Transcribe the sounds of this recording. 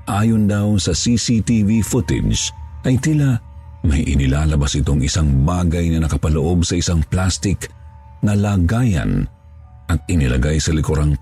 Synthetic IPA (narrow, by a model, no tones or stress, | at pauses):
ʔaːjond̪awsɐsisit̪ivifʊt̪ɪ̰d͡ʒʔɐjt̪ɪlamɐjʔɪ̰nɪlaːlɐbɐsʔɪt̪o̞ŋɪsaŋbaːɡɐjnɐnɐkɐpɐloʔo̞bsɐɪsaŋplast̪ɪk | nɐlaɡaːjɐ̰n | ʔɐt̪̚ɪnɪlɐ̰ɡajsɐlɪkoɾaŋ